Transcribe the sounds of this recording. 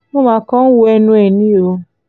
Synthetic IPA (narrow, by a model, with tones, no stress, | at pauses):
mũ˦ma˨kɔ˦n̩˦wu˧˦ɛ˧nũ˧˦ɛ˨nĩ˦o˧